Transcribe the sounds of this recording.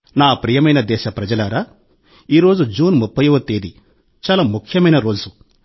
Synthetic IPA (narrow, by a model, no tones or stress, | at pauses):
naːpɾiːjɐmɐjnɐd̪ɛːʃɐpɾɐd͡ʒɐlɐɾa | iːɾo̞ːd͡ʒud͡ʒuːnmupːɐjɐʋɐt̪eːd̪i | t͡ʃaːlaːmukʰjɐmɐjnɐɾo̞ːd͡ʒu